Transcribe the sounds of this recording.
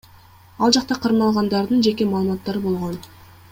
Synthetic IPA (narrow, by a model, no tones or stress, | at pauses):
ɑlˠd͡ʒɑqt̪ɑqʰɑɾnɑlˠʁɑnd̪ɑɾd̪ɯnd͡ʒe̞ke̞mɑːlˠmɑt̪ːɑɾɯbo̞lˠʁo̞n